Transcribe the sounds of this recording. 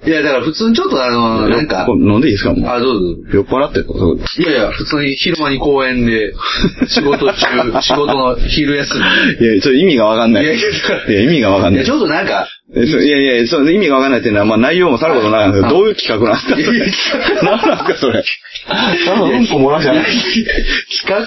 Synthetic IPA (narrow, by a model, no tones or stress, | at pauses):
jad̪akaɾaɸɯ̟t͡sɨːɲ̟it͡ɕot̪ːoanojnãŋka̰onãnd̪eiːsɨka̰mo̰ad̪oːdjopːaɾat̪ːet̪ːosoo̰jajaɸɯ̟t͡sɨːɲ̟içiɾɯmaɲiko̞ːẽ̞nd̪e̞ɕiɡo̞t̪ot͡ɕɨːɕiɡo̞t̪onoçiɾɯ̟jasɨnijat͡ɕot̪ːoimʲiɡaβakãnːaijaimʲiɡaβakanːat͡ɕoːd̪onãŋka | sojaijajasoimʲiɡaβakãnːait̪e̟noβamaːnaijo̞ːmosaɾɯ̟ko̞t̪onakaãskd̪oːjɯ̟ːkʲi̥kakɯ̟nãñsɨ̥kasoenãnãsɨ̥kaso̞ɾe | aoõŋkomoɾaɕa | kʲi̥ka